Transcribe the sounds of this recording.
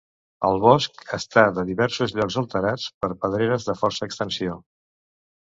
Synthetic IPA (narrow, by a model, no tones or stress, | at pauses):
əlˠβɔskəst̪aðəðiβɛɾsuzʎɔkzəlˠt̪əɾat͡spəɾpəð̞ɾeɾəzðəfɔɾsəːkst̪ənsio